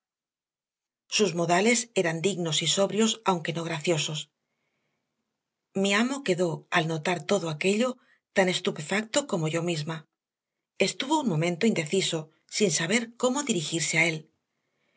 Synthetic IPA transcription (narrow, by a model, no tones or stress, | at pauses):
suzmo̞ðale̞se̞ɾand̪iɣno̞siso̞βɾjo̞sawŋke̞no̞ɣ̞ɾaθjo̞so̞s | miamo̞ke̞ðo̞alno̞t̪aɾt̪o̞ðoake̞ʎo̞ | t̪ane̞st̪upe̞fak̚t̪oko̞mo̞ʝo̞mizma | e̞st̪uβo̞unmõ̞mẽ̞nt̪oind̪e̞θiso̞ | sinsaβ̞e̞ɾko̞moðiɾixiɾseae̞l